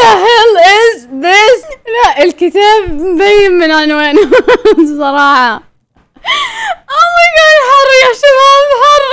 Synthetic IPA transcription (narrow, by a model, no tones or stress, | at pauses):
aɦɪlʔɪzbaslaʔɪlkɪt̪aːbmd̪ajːɪmːɪnʕanwaːn | sˤɑɾˤɑːħɑ | ʔɑlˤːɑɡalħɑrˤːjaʃabaːbħɑrˤː